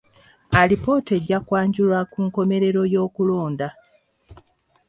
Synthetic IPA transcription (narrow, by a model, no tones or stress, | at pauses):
alipo̞te̞ɟːakwaːɲɟulwakuŋko̞me̞ɾe̞ɾo̞jo̞ːkulo̞ːnda